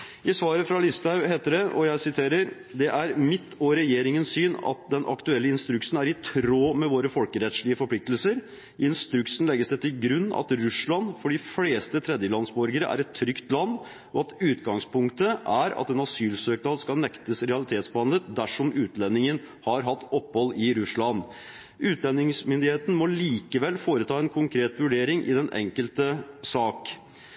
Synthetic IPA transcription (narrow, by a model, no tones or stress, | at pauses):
ʔɪsʋɑːɾəfɾɑlɪst̪ɑʉɦeːt̪əɖ̪ɛʔɔjæɪsɪt̪ʰeːɾəɾ | d̪ɛʔæɾmɪt̪ʰːɔɾɛjeːɾɪŋənssyːnɑ̰t̪̚d̪ɛnʔɑ̰kt̪ʉɛlːəɪnst̪ɾʉksn̩æɾɪt̪ʰɾoːmɛʋoːɾəfɔlkəɾɛt̪ʂɭɪəfɔɾpʰlɪk̚t̪əl̩səɾ | ʔɪnst̪ɾʉksn̩lɛɡːəsd̪ɛt̪ʰɪlɡɾʉnːɑ̰t̪ɾʉʂɭɑnfɔɖɪfleːst̪ət̪ʰɾɛd̪jəlɑnsbɔɾɡəɾə̰ʔæ̰ɾɛt̪ʰːɾʏkt̪lɑnː | ɔɑt̪ʉːt̪ɡɑŋspʰʊŋkt̪əʔæɾɑ̰t̪ɛnɑsyːlsøːkənɑlskɑnɛkt̪əsɾɛɑlɪt̪ʰeːt̪sb̪ɑnlət̪d̪æʂɔmʔʉːt̪lɛnːɪŋən | hɑɾɦɑt̪ːɔpːhɔlːɪɾʉsɭɑnː | ʉːt̪lɛnːɪŋsmʏnd̪ɪheːt̪n̩mɔliːkəʋɛlːfoːɾət̪ʰɑːɛnkʰʊŋkʰɾeːt̪ʋʉɖeːɾɪŋʔɪ̰d̪ɛnʔɛ̰ŋkəlt̪əsɑːk